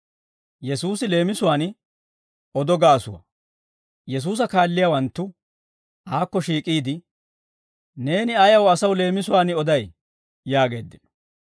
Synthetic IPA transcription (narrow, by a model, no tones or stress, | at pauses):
jɛsuːsɪle̞ːmɪsʊwaːnɪ | ɔd̪ɔɡaːsʊwɐ̰ | jɛs̬uːs̬ɐkaːlːɪjawɐnt̪ːʊ | haːkːɔʃiːkʼiːd̪ɪ | ne̞ːnɪɐjɐwɐsɐwle̞ːmɪsʊwaːnɪɔd̪ɐj | jaːɡe̞̰ːd̪ːɪnɔ̥